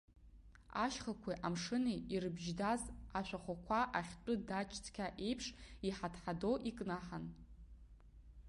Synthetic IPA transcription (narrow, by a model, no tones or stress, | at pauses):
a̰ʃχakʷʰiʔamʂɨniirɨbʒdazaʃʷᶣaχʷakʷʰaʔaχʲt͡pʷʼʊdat͡ʃʰʼt͡sʰʼkʲʰaʔe̞jpʰʂiħatʰħadoʔikʼnaħan